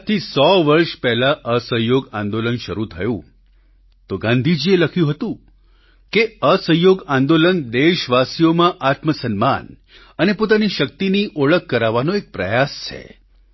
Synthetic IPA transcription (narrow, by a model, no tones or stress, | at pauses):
t̪ʰisɔʋəɾʃpɛɦlaʔəsəjoɡãnd̪olənʃəɾut̪ʰəjṵ̃ | t̪oɡãnd̪ʱid͡ʒieləkʰjũɦət̪ũ | keəsəjoɡãnd̪olənd̪eʃʋasijomãʔat̪məsənma̰n | ənepot̪aniʃək̚t̪iniʔoɭəkːəɾaʋanoek̚pɾəjast͡ʃʰḛ